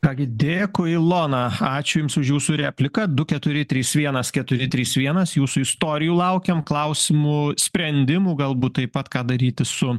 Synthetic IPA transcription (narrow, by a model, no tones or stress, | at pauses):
kɑːɡʲɪd̪ʲeːjɛkʊɪlˠoːnɐɑːt͡ʃʲʊjɪmsʊʃjuːsʊɾʲæːpʲlʲɪkɐd̪ʊkʲɛt̪ʊɾʲɪt̪ʲɾʲiːsʋʲiɛnɐskʲɛt̪ʊɾʲɪt̪ʲɾʲiːsʋʲiɛnɐsjuːsʊɪst̪oːɾʲɪjuːlˠɐʊkʲɛmklˠɐʊsʲɪmʊsʲpʲɾʲɛnʲd̪ʲɪmuːɡɐlˠbuːt̪̚t̪ɐɪpɐt̪kɑːd̪ɐɾʲiːt̪ʲɪsʊ